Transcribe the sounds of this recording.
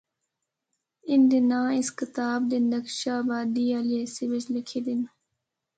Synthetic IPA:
ɪnd̪ɪnãːɪskɪt̪aːb̚d̪ɪnd̪ɐkʃaːbaːd̪iːaleːsɪbɪd͡ʒlɪkʰeːd̪ɪn

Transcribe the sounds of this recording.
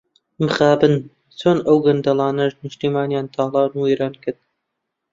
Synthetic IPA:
mɨxɑːbɨn | t͡sʰoːnɐwɡɐnd̪ɐlˠɑːnɐʃnɨʃt̪iːmɑːnjaːnt̪ʰɑːlˠɑːnueːɾɑːnkɨɾd̪

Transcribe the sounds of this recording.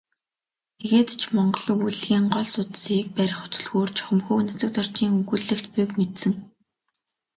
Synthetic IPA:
eɣeːt̪t͡ɕʰmɔɴɢɞ̆ɮʊ̆ːɣuɮɣiːŋɢɔɮsʊt̪siːk̚pæɾʲɪ̆χʊ̥t͡sɵ̆ɮɣoːrt͡ɕʰχɵ̆mxuːnat͡sə̆k̚t̪ʰɔr̥t͡ɕiːŋɵɣuɮɘ̆kt̪pujkmet̪sɘ̆ŋ

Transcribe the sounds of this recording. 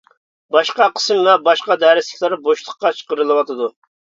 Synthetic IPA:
bɑʃqɑqʰə̥smvɛbɑʃqɑd̪ɛɾɪslɪkʲlˠɑɾboʃlˠəχq̚ːɑt͡ʃʰə̥qəɾɨlˠɨwɑt̪ʰɨd̪u

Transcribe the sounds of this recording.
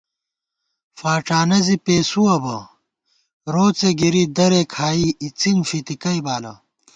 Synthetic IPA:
faːʈ͡ʂaːnɐzipeːsuwɐbɐ | ɾoːt͡seɡiɾid̪ɐɾekʰaːiit͡siŋfit̪ikɐjbaːlɐ̰

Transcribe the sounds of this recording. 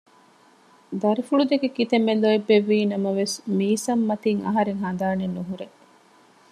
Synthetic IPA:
d̪ɐɾifuɭud̪eɡekit̪emːeloebːeʋːiːnɐmɐʋesmiːsɐmːɐt̪iŋɐ̰ɦɐɾeŋɦɐnd̪aːnenːuɦuɾe

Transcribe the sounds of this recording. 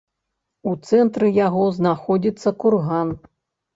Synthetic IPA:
ut̪sɛnt̪ɾɨjaɣɔznaxɔd͡zʲit̪sːɐkurɣan

